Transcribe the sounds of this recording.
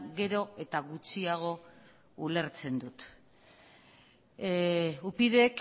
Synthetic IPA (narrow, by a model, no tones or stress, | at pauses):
ɡe̞ɾo̞e̞t̪aɣut͡siaɣ̞o̞ | ule̞ɾt͡se̞nd̪ut̪ | upiðe̞k